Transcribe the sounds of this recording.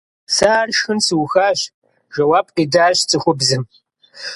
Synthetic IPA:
sarʃxɨnsɨwxaːɕ | ʒɐwaːb̚qiːdaːɕt͡sʼɨχʷʊbzɨm

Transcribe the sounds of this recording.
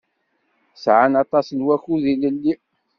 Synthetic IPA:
sʕanɑt̪ˤɑsnwæçuðiləlːi

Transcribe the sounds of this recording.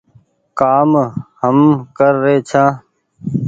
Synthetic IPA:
kaːmhəmkəɾːeːt͡ʃʰãː

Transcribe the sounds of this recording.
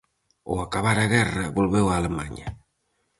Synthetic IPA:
o̰akaβaɾaɣɛraβolβewalema̰ɲa

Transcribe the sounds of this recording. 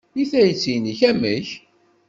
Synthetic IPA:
iθæjət͡sːiniçæməç

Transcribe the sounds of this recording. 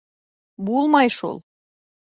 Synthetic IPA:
bulˠmɑjʃṵlˠ

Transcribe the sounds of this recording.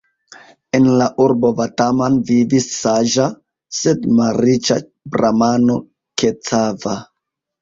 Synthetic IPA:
enlaʔuɾbo̞vatamanvidisːaʒa | sedmaɾit͡ʃa | bɾamano̞ | ket͡sava

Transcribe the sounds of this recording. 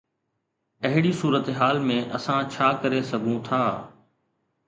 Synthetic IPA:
ɐɦɪɽisuːɾət̪ɦaːlmẽʔɐsãt͡ɕʰaːkɐɾesɐɡʱũt̪ʰaː

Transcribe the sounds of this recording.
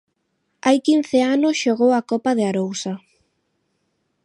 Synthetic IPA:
ajkin̟θɪanʊsʃoɣowakɔpaðɪaɾowsa

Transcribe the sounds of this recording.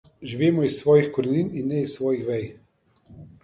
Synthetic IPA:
ʒiʋeːmɔisːʋɔːjixkɔɾinininːɛisːʋɔːjixʋɛj

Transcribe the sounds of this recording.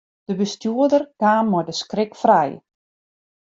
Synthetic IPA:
d̥əbəstjuədərkaːnmɔjdəskrɪkfrɛj

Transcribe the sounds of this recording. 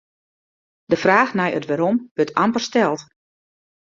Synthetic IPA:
dəfraːxnɛjə̰tʋɛɾomʋøtʰampərstɛlˠt

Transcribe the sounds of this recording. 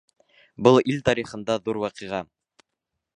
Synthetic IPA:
bɤlˠilt̪ɑɾiχɤ̆nd̪ɑðuɾwɑqiʁɑ

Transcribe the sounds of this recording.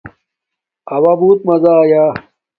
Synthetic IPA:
ɐwabuːt̪̚mɐzajaː

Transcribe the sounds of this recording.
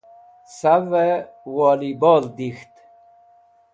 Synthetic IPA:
saʋe | wɔːlibɔːld̪ixt̪

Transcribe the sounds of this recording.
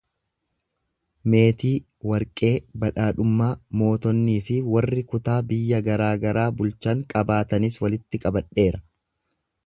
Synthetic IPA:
me̞ːt̪iː | wɐɾkʼe̞ːbɐᶑaːᶑʊmːaːmo̞ːt̪ɔnːiːfɪwɐrːɪkʊt̪aːbɪjːɐɡɐɾaːɡɐɾaːbʊlt͡ʃɐŋkʼɐbaːt̪ɐnɪswɐlɪt̪ːɪkʼɐbɐᶑe̞ːɾɐ

